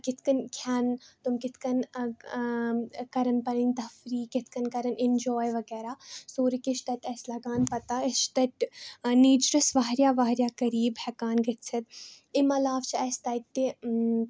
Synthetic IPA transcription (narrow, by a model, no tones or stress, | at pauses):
kɪt̪ʰkɐnkʰaːnt̪ʊmkɪt̪ʰkɐn | kɐɾənpɐɾinʲd̪ɐfɾiːkɪt̪ʰkɐnkɐɾɐnʔɪnd͡ʒɔːjʋɐɡɛːɾaːsoːɾikɪt͡ʃʰt̪ɐt̪ɛːslɐɡaːnpɐt̪aɪt͡ʃʰt̪ɐʈniːd͡ʒɾɐsʋaɦɾjaːʋaːɦɾjaːkɐɾiːbhɛkaːnɡɐt̪sʰɐt̪̚ | ɪmɐlaːʋt͡ʃʰɐːst̪ɐt̪ːi